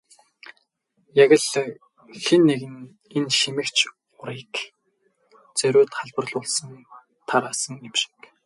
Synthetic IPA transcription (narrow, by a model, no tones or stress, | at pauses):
jaɣʲə̆ɮ | xenːeɣɘ̆n | enʃimɘ̆kt͡ɕʰ | ʊɾiːk | t͡sœɾʲʊːt̪χaɮpə̆rɮʊːɮsə̆n | t̪ʰaɾaːsə̆ŋemʃɪ̥̆k